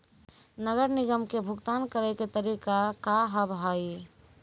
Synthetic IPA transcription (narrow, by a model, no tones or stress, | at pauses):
nəɡəɾniɡəmkebʱʊɡt̪ankəɾɛket̪əɾikakaɦəbʱɦai